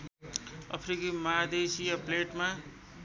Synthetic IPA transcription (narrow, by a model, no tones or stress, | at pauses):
ʌ̰pʰɾikimʌɦad̪esijapleʈma